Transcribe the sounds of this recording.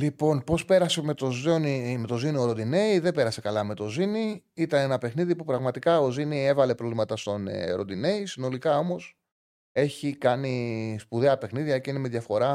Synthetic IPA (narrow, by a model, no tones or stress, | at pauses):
lipo̞npo̞spe̞ɾɐseme̞t̪ozonimet̪o̞zinio̞ɾod̪ine̞iðebe̞ɾɐse̞kɐlɐme̞t̪o̞zini | it̪ɐne̞nɐpe̞xniðipupɾɐɣmɐt̪ikɐo̞zinievɐle̞pɾovlimɐt̪ɐst̪o̞n̰ɾo̞nd̪ine̞isino̞likɐo̞mo̞s | e̞çikɐnispuðeɐpe̞xniðʝɐeceinemeðʝɐfo̞ɾɐ